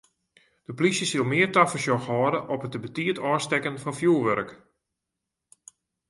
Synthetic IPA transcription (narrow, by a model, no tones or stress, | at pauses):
d̥əplisjəsilˠmɪːərtafəsjɔxɔːdəʔɔpətəbətiətʰɔːstɛkənfɑnfjuːʋøɾk